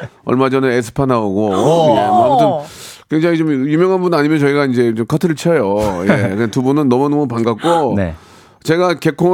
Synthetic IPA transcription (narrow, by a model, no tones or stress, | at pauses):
ʌ̰ɭmad͡ʑʌnɯesʰɯ̥pʰanaoɡomʌamutʰɯnkwe̞ŋd͡ʑaŋit͡ɕomjumjʌŋɦanbunaɲimjʌnt͡ɕʌiɡaind͡ʑe̞t͡ɕomkʰʌtʰɯɾɯɭt͡ɕʰʌjojekɯtubunɯnːʌmunʌmupanɡak͈on | t͡ɕe̞ɡake̞kʰo